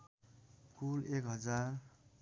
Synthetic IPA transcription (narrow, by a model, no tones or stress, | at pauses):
kulekɦʌd͡zar